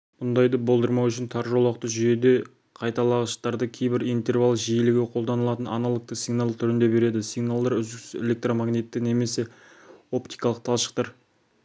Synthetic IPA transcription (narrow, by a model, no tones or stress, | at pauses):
m̥ʊnd̪ɑjd̪əbo̞lˠd̪əɾmɑwʏʃɪnt̪ʰɑɾʒolˠɑq̚t̪əʒʏje̞d̪e̞ | qʰɑjt̪ɑlˠɑʁəʃt̪ɑɾd̪əkʲʰejbɪɾijnt̪e̞rvalˠʒijelɪɡʲɪqʰold̪ɑnəlˠɑt̪ənɑ̰nɑlˠək̚t̪əsiɡnalˠt̪ʰʏɾɪnd̪e̞be̞ɾe̞d̪ɪsijɡnalˠd̪ɑɾʏzd̪ɪksɪ̥zḛle̞k̚t̪ɾomaɡnet̪ːɪne̞me̞se̞ | o̞pt̪ijkɑlˠəq̚t̪ʰɑlˠʃə̥q̚t̪ɑɾ